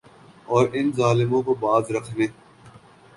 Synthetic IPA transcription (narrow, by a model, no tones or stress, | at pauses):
ɔːɾɪnzaːlɪmõkobaːzɾəkʰnẽː